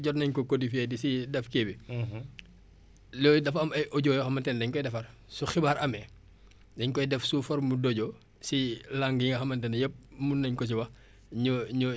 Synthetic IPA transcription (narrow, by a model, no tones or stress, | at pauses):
ɟɔtnɐɲkɔkodifɛdisidɛfkeːbi | lɔːjdɐfɐmɐjʔɔɟɔːjɔxɐmɐntɛndɛɲkɔjdɛfɐr | suxibaːɾʔɐmɛ | dɛɲkɔjdɛfsufɔɾmudɔɟɔ | silaŋɡŋɡɐxɐmɐntɛnjəp̚munːɐɲkɔs̬iwɐ | ɲuɲu